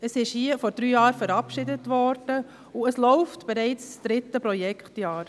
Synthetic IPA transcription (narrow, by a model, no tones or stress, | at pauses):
əsɪʃhiəfɔɾd̥ɾyːjɑːɾfəɾɑpʃɪdətʋɔɾd̥ə | ʊəslɔʊftb̥ɛɾɛɪt͡ssd̪̥ɾɪtːəpɾɔjɛkχtjɑːɾ